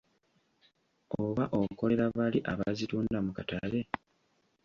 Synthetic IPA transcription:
oβaʔo̞ko̞le̞ɾaβaliʔaβazituːndamukatale

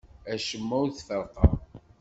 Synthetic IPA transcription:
æʃəmːæwθfəɾqɑ

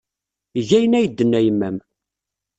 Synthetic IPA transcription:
ʝæjənæjəd̪ːənːæjəmːæm

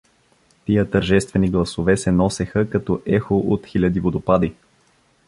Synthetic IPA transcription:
t̪ijət̪əɾʒɛst̪vɛniɡlˠɐsovɛsɛnɔsɛxəkɐt̪ɔʔɛxoʔot̪xilʲəd̪ivod̪opad̪i

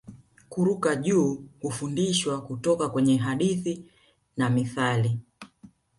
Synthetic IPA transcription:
kuɾukaʄuːhufundiʃwakutɔkakwɛɲɛɦaɗiθi | namiθali

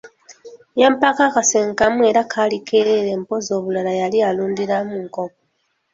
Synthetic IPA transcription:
jempakakaseŋkamue̞ɾakʰaːlikʰeɾeɾe̞ːmpo̞zo̞ːβulalajalialuːndiɾamuŋko̞ko

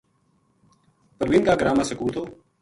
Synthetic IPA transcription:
pəɾʋɪnkaːɡəɾaːmaːsəkuːt̪ʰoː

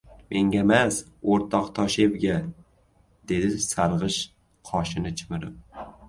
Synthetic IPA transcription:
mʔe̞ŋɡʲamas | oɾt̪ʰɒqt̪ʰɒʃe̞bɡʲa | d̪̥e̞d̪ɪsaɾʁɨʃ | qʰɒʃɪnɪt͡ʃʰɪmɪɾɪp̚

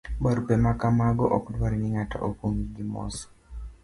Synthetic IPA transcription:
baɾupemakamaɡɔʔɔkdwaɾinɪŋata̰ʔokoŋiɡimɔ̰sɔ̥

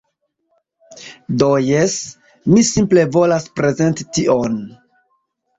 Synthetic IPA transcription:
dojes | misimple̞vo̞laspɾe̞ze̞ntition

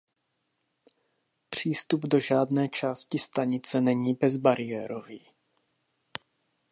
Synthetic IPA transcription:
pr̝̥iːst̪ubdo̞ʒaːdnɛːt͡ʃaːscɪst̪aɲɪt͡sɛnɛɲiːbɛzbaɾɪjɛːɾoviː

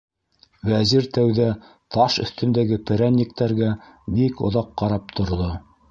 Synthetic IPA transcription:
wæziɾt̪æwðæ | t̪ɑʃɵ̆θt̪ɵ̆nd̪æɡɘpɘ̆ɾænːik̚t̪æɾɡæbikŏ̰ðɑqːɑɾɑp̚t̪ʰŏɾðo

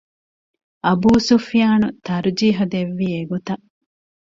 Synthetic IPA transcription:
ɐbuːsufijaːnut̪ɐɾd͡ʒiːɦud̪eʋːiːeɡot̪ɐʔ

